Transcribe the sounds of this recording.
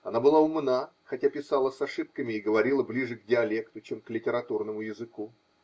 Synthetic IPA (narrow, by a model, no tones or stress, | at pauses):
ɐnabɨlˠaʊmnaxɐtʲapʲɪsalˠəsɐʂɨp̚kəmʲɪːɡəvɐɾʲilˠəblʲiʐɨkdʲɪɐlʲe̞kt̪ʊt͡ɕemklʲɪtʲɪɾɐt̪urnəmʊjɪzɨku